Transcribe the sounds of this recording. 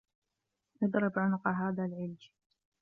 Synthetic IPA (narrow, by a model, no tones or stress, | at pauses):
ʔɨd̪ɾˤɪbʕʊnʊqɑɦaːðalʕɪld͡ʒ